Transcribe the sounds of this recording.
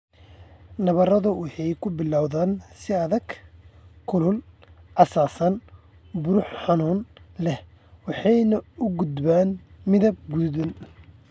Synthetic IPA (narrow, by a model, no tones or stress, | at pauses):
nɐβɐrɐðʊwɑħɑjkʰʊbɪlawðaːnsɪɐðɐɡ̥ | kʰʊlʊlʔɐsaːsɐn | bʊɾʊħħɑnuːnlɛh | wɑħɑjnɐʊɡʊd̪baːnmɪðɐb̚ɡuðʊn